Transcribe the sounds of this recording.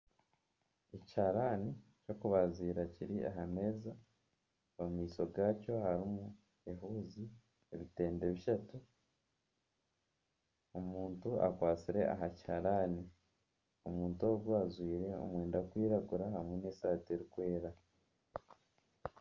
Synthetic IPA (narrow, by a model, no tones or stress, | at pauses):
echaɾani | co̞kuβaziːɾaciɾiʔa̰ɦame̞ːza | omiːso̞ɡaːco̞haɾimu | eɦuzi | eβite̞ːnde̞βiʃatu | omuːntua̰kwaːt͡siɾe̞ʔa̰ɦachaɾaːni | omuːntoɡwazwiːɾe̞o̰mweːndakwiːɾaɡuɾahamwene̞saːteɾikwe̞ːɾa